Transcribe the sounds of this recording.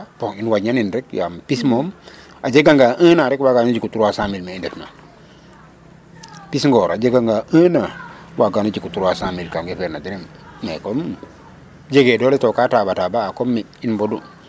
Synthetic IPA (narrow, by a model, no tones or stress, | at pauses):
poinwaɲaninɾekja̰mpismom | ad͡ʒeɡaŋɡaʔəːnaɾekwaɡanud͡ʒikutuɾwasamilmeindefna | pisŋɡoɾad͡ʒeɡaŋɡaənawaɡanud͡ʒikutuɾwasamilkaŋɡefeɾnadiɾem | ŋekom | d͡ʒeɡedoletokatabatabaːkomːi | inbodu